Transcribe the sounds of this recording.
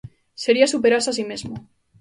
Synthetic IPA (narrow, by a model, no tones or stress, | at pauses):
se̞ɾiasupeɾasasimezmo